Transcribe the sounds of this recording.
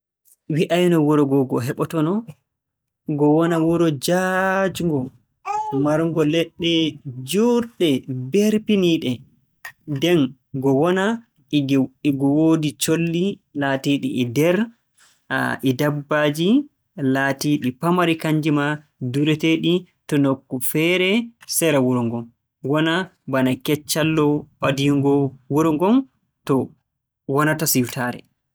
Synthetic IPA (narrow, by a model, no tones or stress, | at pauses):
wiʔajnɔwuɾɔɡɔɡɔɦɛɓɔtɔnɔ | ɡɔwɔnawuɾɔd͡ʒad͡ʒuŋɡɔ | maɾŋɡɔlɛɗːɛd͡ʒuɾɗɛbɛɾpiniɗɛ | dɛn | ɡɔwɔna | ɡɔwodit͡ʃolːi | latiɗḭːdɛɾ | a̰ʔidabːad͡ʒi | latiɗipamaɾikaɲd͡ʒima | duɾɛteɗi | tɔnokːufɛɾɛsɛɾawuɾɔŋɡɔm | wɔnabanakɛt͡ʃːalːɔɓadiŋɡɔwuɾɔŋɡɔn | tɔ | wɔnatasiftaːɾɛ̰